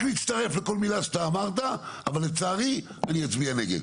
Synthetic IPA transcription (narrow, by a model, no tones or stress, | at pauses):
liːt̪st̪aʁe̞fle̞ko̞lmilaʃḁt̪aːmaʁt̪̬aavalːet͡saːʁi | anijat͡sbianeɡed̪